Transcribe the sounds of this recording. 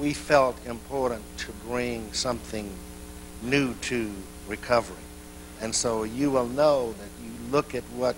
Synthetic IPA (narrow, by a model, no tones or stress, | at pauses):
wifɛlˠtʰɨ̃mpʰɔɹʔn̩tʰɨbɹɪ̃ŋsʌ̃mθɪ̃ŋ | nʉɾɨ | ɹɨkʰʌvə˞ḭ | ɨ̃nsoʊjɨwɪlˠnoʊðɨt͡ʃɨlʊkɨt̚wʌt̚